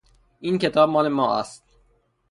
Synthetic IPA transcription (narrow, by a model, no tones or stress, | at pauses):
ʔiːncʰe̞t̪ʰɒːb̚mɒːlemɒːʔæ̰st̪